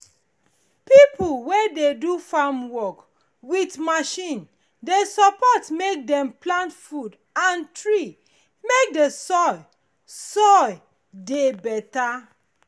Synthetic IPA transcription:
pipulwededufamwɔk | witmaʃĩn | desɔpɔtmek̚dɛ̃mplãntfud | ãntɹi | mek̚desɔj | sɔj | debɛta

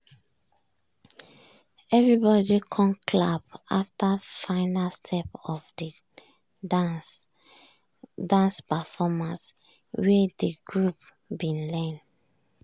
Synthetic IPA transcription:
ɛvɹibɔdikʰɔ̃nkʰlapaftafãɪnalstʰɛpɔfd | dãnspafɔmãns | wɛdeɡɹup̚ | bĩnlɛ̃n

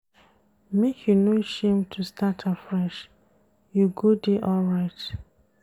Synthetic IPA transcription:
mekʰjunoʃẽmtʰustʰatʰafɹɛʃ | juɡudeʔɔlɹaɪt

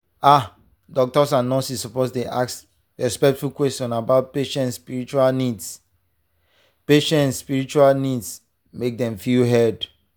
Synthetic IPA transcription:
a | dɔk̚tɔsãnɔ̃sissɔposdeʔaks | ɹɛspɛk̚tfulkwɛstjɔ̃nabaʊt̚peʃɛ̃ntspiɹit͡ʃualnids | peʃɛ̃ntsːpiɹit͡ʃualnids | mek̚dɛ̃mfilɦɛd

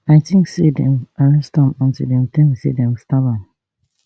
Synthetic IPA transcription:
aɪtʰĩŋksedɛ̃maɹɛstɔ̃mɔ̃ntudɛ̃mt̪ĩŋkasḛdɛ̃mstabãn

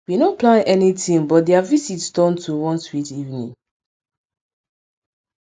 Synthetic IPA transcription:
winõplãnʔɛnitĩŋbɔt̚dɛavisitsdɔ̃ntʰuwɔ̃nswitivnḭ̃ŋ

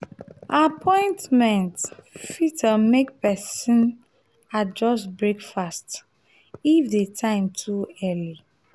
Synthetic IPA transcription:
apʰɔ̃ɪ̃ntmɛ̃ntfitʰəmekpɛsĩn | ad͡ʒɔsbɹekfast | ifdetʰãɪ̃mtʰuɛli

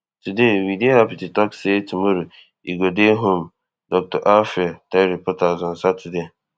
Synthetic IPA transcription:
tʰudewidhapɪtɪtʰɔksetʰumõɾu | iɡodeɦõm | dɔk̚tʰɔʔafɪtʰãɾipʰɔtʰazʊ̃n̩satʰude

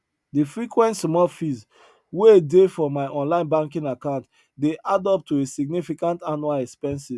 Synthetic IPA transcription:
difɹikwɛ̃ntsmɔlfiz | weedefɔmaɪʔɔ̃nlãɪ̃nbãŋkĩŋakãʊ̃nt | deʔadɔp̚tuesiɡ̚nifikãntanualɛkspɛ̃nsiz

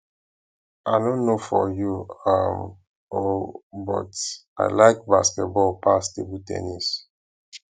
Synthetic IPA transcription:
ʔaɪnõnːofɔjuam | obɔ̰ta̰ɪlaɪk̚baskɛt̚bɔlpastebutɛ̰nis

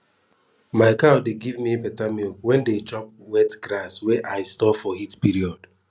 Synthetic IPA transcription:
maɪkadeɡivmipɛtamiɔwɛ̃ndet͡ʃɔp̚ | wɛtɡɾaswɛʔaɪstɔfɔhitpiɾiɔd̥

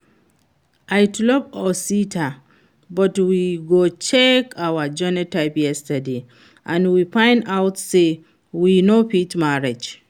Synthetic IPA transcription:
ʔajtlɔpɔsitʰa | bɔtwiɡot͡ʃɛkawad͡ʒɔnətaɪpjɛstade | ʔãnwipãɪ̃ndawtse | winopitmaɹed͡ʒ

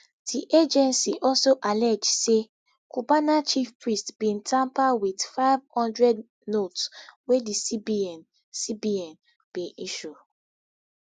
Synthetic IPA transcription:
d̥iʔed͡ʒɛ̃nsiʔɔlsoʔalɛd͡ʒse | kubanat͡ʃifpɹistbĩntʰãmpawidfaɪvhɔ̃ndɹɛd | notswedisibiɛn | sibiɛ̃n | b̥eʔiʃu

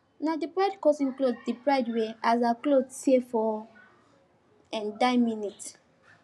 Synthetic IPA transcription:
nadipɹajdkɔsĩnkloddipɹaɪdweazaklodsefɔ | ɛ̃ndajminit

